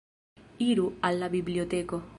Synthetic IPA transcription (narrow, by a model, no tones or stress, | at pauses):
iɾualːaβibliot̪eko